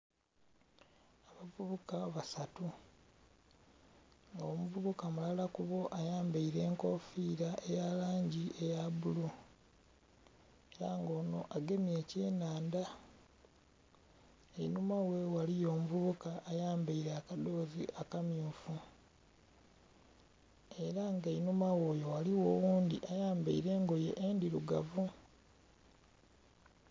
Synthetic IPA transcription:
aβavuβukaβasatu | ŋɡomuvuβukamulalakuβo̞ʔajaːmbaiɾe̞ːŋko̞fiɾaʔejalaːɲɟie̞jaβulu | eɾaːŋɡo̞ːno̞ʔaɡe̞mie̞ce̞ːnaːnda | einumawewalijo̞ːmuvuβukaʔːjaːmbaiɾeakado̞ːzḭʔakamjuːfu | e̞ɾaŋɡeinumawo̞ːjo̞waliwoːwuːndiʔajaːmba̰iɾe̞ːŋɡo̞jḛʔendiɾuɡavu

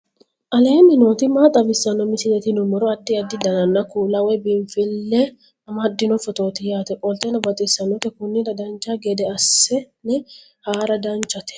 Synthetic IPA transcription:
ʔɐleːnːɪno̞ːt̪ɪmaːt̪ʼɐbɪsːɐnːɔmɪsɪlɛt̪ɪnʊmɔɾɔɐt̪ːɪɐd̪ːɪd̪ɐnɐnːɐkuːlɐwɛbɪɱfɪlːɛ | ɐmɐd̪ːɪnɔfɔt̪o̞ːt̪ɪjaːt̪ɛkʼɔlt̪ɛnɐbɐt̪ʼɪsːɐnːɔt̪ɛkʊnːɪdɐd̪ɐnt͡ʃːaɡɛd̪ɛɐsːɛnɛ | haːɾɐd̪ɐnt͡ʃːɐt̪ɛ̥

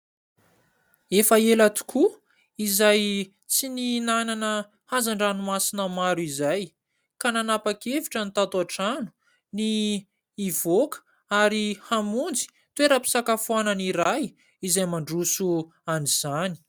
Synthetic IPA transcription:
efaelat̪u̥kʰu | izaj | t͡sininananə | hazaɳɖ͡ʐanumasinəmaɾuizaj | kananapakeviʈ͡ʂənit̪at̪aʈ͡ʂanu̥ | niː | vokə̥ | aɾihamund͡zi̥ | t̪weɾəpi̥sakafuananiɾaj | izajmaɳɖ͡ʐusu | aniz̥ani̥

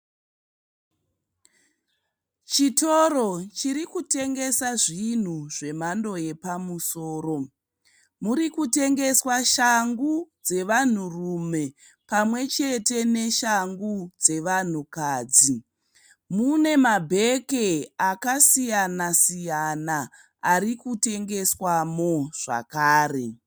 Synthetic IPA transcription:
t͡ʃitoro̞t͡ʃiɾikute̞ŋɡe̞saʐin̤uʐe̞mando̞je̞pamuso̞ːro̞ | muɾikute̞ŋɡe̞swaʃaŋɡud͡ze̞ʋan̤urume̞ | pamwe̞t͡ʃe̞te̞ne̞ʃaŋɡud͡ze̞ʋan̤ukaːd͡zi | mune̞mabʱe̞ke̞akasijanasijana | arikute̞ŋɡe̞swamo̞ʐ̥a̰kaːre̞

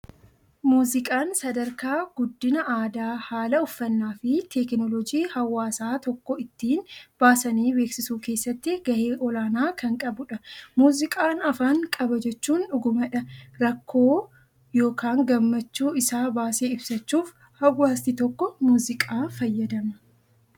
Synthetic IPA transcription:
muːzɪkʼaːnsɐd̪ɐɾkaːɡʊd̪ːɪnɐʔaːd̪aːhaːlɐʊfːɐnːaːfɪt̪ʰɛknɔlɔd͡ʒiːhɐwːaːsaːt̪ɔkːɔɪt̪ːiːnb̥aːsɐniːbe̞ːksɪsuːke̞ːsːɐt̪ːɪɡɐheːʔɔlaːnaːkʰɐŋkʼɐbʊᶑɐmuːzɪkʼaːnɐfaːŋkʼɐbɐd͡ʒɛt͡ʃːuːnᶑʊɡʊmɐᶑɐɾɐkʰːo̞ː | jo̞ːkaːŋɡɐmːɐt͡ʃːuːɪsaːbaːseːɪbsɐt͡ʃːuːf | hɐwːaːst̪ɪt̪ɔkːɔmuːzɪkʼaːfɐjːɐd̪ɐmɐ

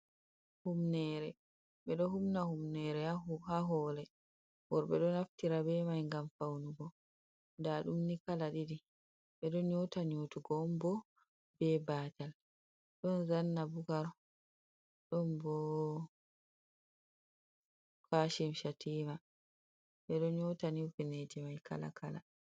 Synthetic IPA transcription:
humnɛːɾɛ | ɓɛɗɔɦumnahumnɛɾɛhaɦɔlɛ | bɔɾɓɛ̰ɗɔnaftiɾabɛmajŋɡamfawnuɡɔ | ndaɗumnikalaɗiɗi | ɓɛɗɔnɲotaɲoːtuɡɔmbɔ | bɛbaːtal | ɗɔnzanːabuɡaɾ | ɗɔmbɔ | kaːʃimʃatʰiːma | bɛɗɔnɲɔtaniwfined͡ʒɛmajkʰa̰la̰kʰala̰

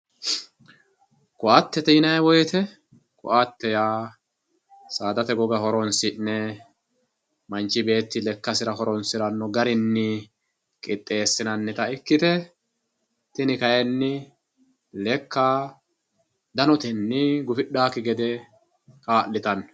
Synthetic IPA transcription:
kʼʊʔat̪ːɛt̪iːnɐjɛwɔjt̪ɛ | kʼʊ̰ʔat̪ːɛjaː | saːd̪ɐt̪ɛɡɔɡɐɦɔɾɔnsɪnːɛ | mɐnt͡ʃːɪbe̞ːt̪ːɪlɛkːɐsɪɾɐɦɔɾɔnsɪɾɐnːɔɡɐɾɪnːɪ | kʼɪt̪ʼːe̞ːsːɪnɐnːɛt̪ɐɪkːɪt̪ɛ | t̪ɪnɪkɐjɛnːɪ | lɛkːa | d̪ɐnɔt̪ɛnːɪɡʊfɪɗaːkːɪɡɛd̪ɛ | kaːlːɪt̪ɐn

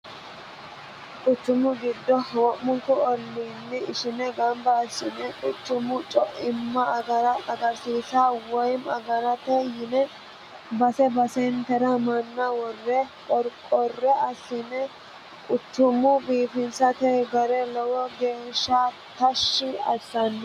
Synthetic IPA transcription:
kʼʊt̪ːʊmʊɡɪd̪ːɔhwɔmːʊŋkːɔɔlːiːnːɪɪʃɪnɛɡɐmbɐːsːɪnɛkʼʊt̪ːʊmʊt͡ʃʼɔʔɪmːɐɡɐɾɐɐɡɐɾsiːsawɔjmɐɡɐɾɐt̪ɛjɪnɛ | bɐsɛbɐsɛnt̪ɛɾɐmɐnːɐwɔrːɛkʼɔɾkʼɔrːɛɐsːɪnɛ | kʼʊt͡ʃːʊmʊbiːfɪnsɐt̪ɛɡɐɾɛlɔwɔɡe̞ːʃːa | t̪ɐʃːɪɐ̰sːɐnː

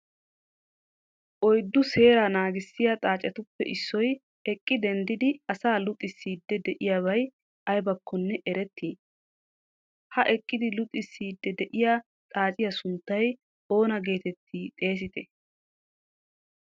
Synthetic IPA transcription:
ʔɔjd̪ːʊse̞ːɾanaːɡɪsːɪjat̪ʼaːt͡ʃʼɛt̪ʊpːɛ̰ʔɪsːɔj | ɛkʼːɪd̪ɛnd̪ɪd̪ɪɐsaːlʊt̪ʼːɪsːiːd̪ːɛd̪ɛʔɪjaːβɐj | ɐjbɐkʰːɔnːɛʔɛɾɛt̪ʰːiː | hɐʔɛkʼːɪd̪ɪlʊt̪ʼːɪsːiːd̪ːɛd̪ɛʔɪjaː | t̪ʼaːt͡ʃʼɪjɐsʊnt̪ːɐj | o̞ːnɐɡe̞ːt̪ɛt̪ʰːit̪ʼe̞ːs̬ɪt̪ɛ

